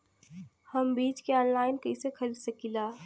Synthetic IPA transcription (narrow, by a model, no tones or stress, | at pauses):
hɐmbiːt͡ʃkeɔ̃ːnlaːɪnkɐisekʰɐɾisɐkilaː